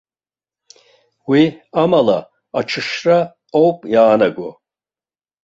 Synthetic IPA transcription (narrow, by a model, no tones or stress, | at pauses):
wiamala̰ | at͡ʃʰɨʃra | owpʼjaːnaɡɔ